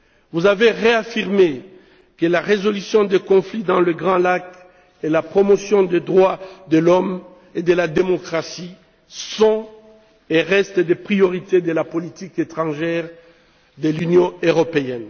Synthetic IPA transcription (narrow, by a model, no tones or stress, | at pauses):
vuzaveʁeafiʁme | kəlaʁezɔlysjɔ̃d̪ekɔ̃flid̪ɑ̃ləɡʁɑ̃lak | elapχɔmɔsjɔ̃d̪ed̪ʁwad̪əlɔm | ed̪əlad̪emɔkχasi | sɔ̃ | eʁɛst̪d̪epχiɔʁit̪ed̪əlapɔlit̪iket̪χɑ̃ʒɛʁ | d̪əlynjɔ̃øʁɔpeɛn